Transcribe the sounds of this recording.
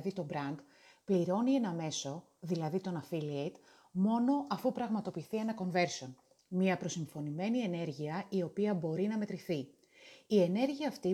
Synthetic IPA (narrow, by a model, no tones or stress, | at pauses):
ðit̪o̞bɾɐnd̪ | pliɾo̞nienɐme̞so̞ | ðilɐðit̪o̞nɐfiliet̪ | mo̞no̞ʔɐfupɾɐɣmɐt̪o̞piːθie̞nɐko̞nve̞ɾso̞n | mɲiɐpɾo̞siɱfo̞nime̞nie̞ne̞ɾʝiɐio̞piɐbo̞ɾinɐme̞t̪ɾiθi | ie̞ne̞ɾʝiɐːft̪i